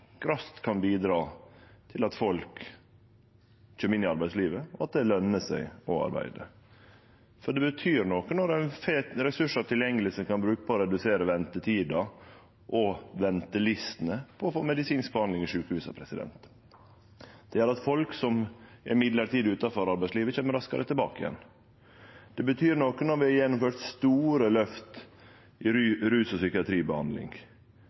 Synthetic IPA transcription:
ɡɾɑst̪kʰɑnbiːd̪ɾɑːt̪ʰɪlɑt̪fɔlk | c͡çʰøːmɪnːɪɑɾbæɪd̪sliːʋəɑt̪̚d̪ɛlœnːəsæɪɔɑ̰ɾbæ̰ɪd̪ə̰ | fɔɖɛbət̪ʰyːɾnokənɔɾæɪnfeɾɛsʉʂɑt̪ɪljɛŋːəlɪsəkʰɑnbɾʉːkəpʰɔːɾɛd̪ʉseːɾəʋɛnt̪ət̪ʰiːd̪ɑ | ʔɔʋɛnt̪əlɪst̪ənəpʰɔːfoːmɛd̪ɪsiːnsk̚bəhɑnd̪ɪŋɪʂʉːkəhʉːsɑ̰pʰɾɛsɪd̪ɛ̰nt̪ | d̪̥ɛjæɾɑt̪fɔlksɔmʔɪmɪd̪ləɾʈ̪iːd̪ʉːt̪ɑfɔɾɑɾbæɪsliːʋəçɛːməɾɑskɑ̰ɾət̪ʰɪlbɑ̰ːkəɪ̰jɛ̰nː | d̪̥ɛbət̪ʰyːɾnoːkənɔɾʋɪhɑɾjɛnːʊmføːɾt̪st̪uːɾəlœft̪ | ʔɪɾɾʉːsɔsʏkɪɑt̪ʰɾiːbəhɑ̰nd̪lɪ̰ŋɡ

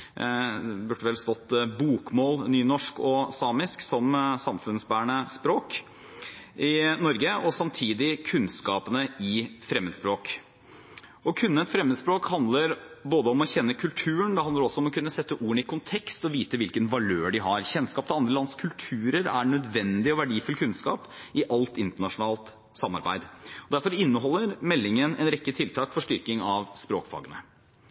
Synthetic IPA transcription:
bʉʈːəʋɛlst̪ɔt̪ːbuːkmoːlnyːnɔʂkɔsɑːmɪsksɔmsɑmfʉnsbæːɳəspɾoːk | ɪnɔɾɡəɔsɑmt̪ʰiːd̪ɪkʰʉnskɑːpənəɪfɾɛmːəd̪spɾoːk | ɔkʰʉnːəɛt̪fɾɛmːəd̪spɾoːkhɑnd̪ləɾboːd̪əɔmɔçɛnːəkʰʉlt̪ʰʉːəɳd̪ɛhɑnd̪əɾɔsɔɔmɔkʰʉnːəsɛt̪ːəʔuːəɳɪkʰʊnt̪ʰɛkst̪ɔʋiːt̪əʋɪlkənʋɑløːɖɪɦɑɾçɛnskɑːp̚t̪ɪɑnd̪ɾəlɑnskʰʉlt̪ʰʉːɾəɾæɳœd̪ʋɛnd̪ɪɔʋæɖiːfʉlkʰʉnskɑ̰ːpʔɪʔɑlt̪ɪnt̪əɳɑʂʊnɑːlt̪ | sɑmɑ̰ɾbæ̰ɪd̪ɔd̪æɾfɔɾɪnːəɦɔlːəɾmɛlːɪŋənɛnɾɛkːət̪ʰɪlt̪ʰɑːkfɔʂʈʏɾkɪŋɑʋspɾoːkfɑ̰ːɡənə̰

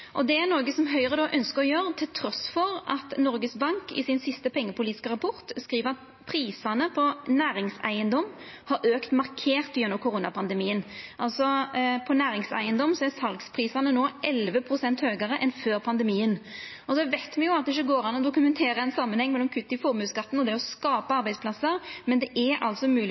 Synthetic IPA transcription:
ʔɔd̪ɛæɾnɔːɡəsɔmɦœʏəʁəd̪ɑʔœnskəɾɔjøːɾət̪ʰɪlt̪ʰɾɔsfɔɾʔɑt̪nɔɾɡəsbɑŋkɪ̰sɪnsɪst̪əpʰɛŋːəpʊliːt̪ɪ̥skəʁɑpʰʊɾt̪skɾiːʋəɾɑt̪̚ | pʰɾiːsɑnəpʰɔnæːɾɪŋsæ̰ɪənd̪ɔm | hɑɾʔøːkt̪mɑɾkʰeːʁt̪ːjɛnːɔmkʰʊɾuːnɑpʰɑnd̪əmiːənʔɑlsɔpʰɔnæːɾɪŋsæ̰ɪənd̪ɔmsɔæɾsɑlɡspʰʁiːsɑnənoːʔɛlʋəpʰʁʊsɛnt̪høːɡəɾəʔɛnføːɾpʰɑnd̪ɛmiːən | ɔsɔʋæɪt̪mɛnjʊɑt̪̚ɛɪç̬ːəɡoːɾɑnːɔd̪ʊkʉmɛnt̪ʰeːɾəɛnsɑmənhɛŋːmɛlːɔmkʰʉt̪ːɪfɔɾmʉːskɑt̪ːn̩ɔd̪ɛɔskɑːpəɑɾbæɪsplɑsːəɾmɛnd̪ɛʔæɑ̰lt̪sɔmʉːl

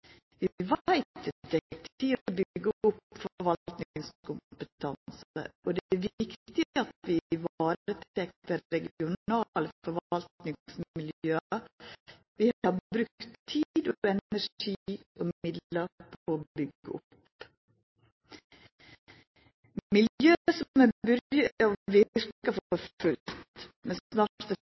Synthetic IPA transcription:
ʋɪʋæɪt̪ɛk̚tt̪ʰiːobʏɡəʊpfɔɾʋɑlt̪nɪɪŋskʰʊmpət̪ʰɑnsə̰ʔɔd̪æʋɪktt̪ɪɑt̪ʋɪʋɑːɾət̪ʰɛk̚t̪əɾɛɡɪʊnɑːlfɔɾʋɑlt̪nɪŋsmmɪljøːɑ | ʋɪhɑɾbɾʉkt̪ʰːid̪ɔɛnæʂiːɔmɪd̪əɾpʰoobʏɡːəʊp | mɪljøːsɔmɛbʏɾɑʋɪɾkɑfɔɾʉlt̪mɛnnɑːʈfɔ

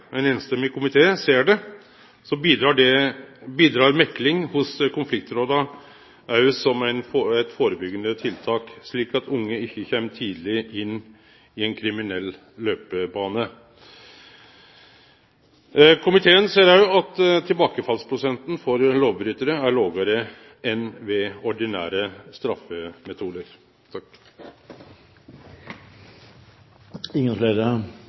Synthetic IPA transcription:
ɛnɛːnst̪ɛmːɪkʰʊmɪt̪ʰeːseːɖɛ | sɔbiːd̪ɾɑɖɛbiːd̪ɾɑːɾmɛklɪŋhʊskʊnflɪk̚t̪ɾoːd̪ɑ | ʔæɾjʊsɔmæɪnɛt̪foːɾəbʏɡənət̪ʰɪlt̪ʰɑːkʂɭiːkɑt̪ʰʊŋːəɪçːəçɛmːt̪ʰiːd̪lɪɪnː | ɪɛnkʰɾɪmɪnɛlː | løːpəbɑːnə | kʰʊmɪt̪ʰeːənseːɾæjʊɑt̪t̪ʰɪlbɑːkəfɑlspʰɾʊsɛnt̪n̩fɔɾloːʋbɾʏt̪əɾəæɭoːɡəɾə | ʔɛnʋɛɔɖɪnæ̰ːɾəst̪ɾɑfəmɛt̪ʰuːd̪əɾ | ɪŋːənfleːɾə

